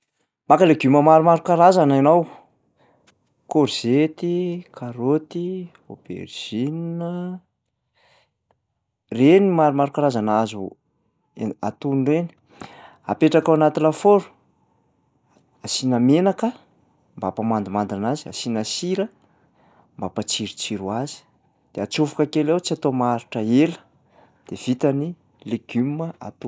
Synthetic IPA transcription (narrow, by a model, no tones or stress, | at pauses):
makaleɡuməmaɾumaɾukaɾazananaw | koɾz̥et̪ikʰaɾot̪i | ob̥ḛɾʒ̥inə | renimaɾumaɾukaɾazanazu | a̰t̪unreni̥ | a̰peʈ͡ʂakawanat̪ilafoɾu̥ | asinəmenakə | mbapamand̪umand̪anazia̰sinasiɾə | mbapat͡siɾut͡siɾuazi̥ | d̪̥eat͡sufu̥kakelewt͡siat̪omaɾiʈ͡ʂəelə̥ | d̪̥ev̥it̪əni | leɡyməa̰t̪u